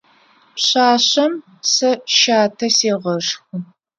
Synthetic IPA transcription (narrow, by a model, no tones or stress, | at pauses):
pɕaːɕɐm | sɐʃaːtʰɐseːʁɐʂxɨ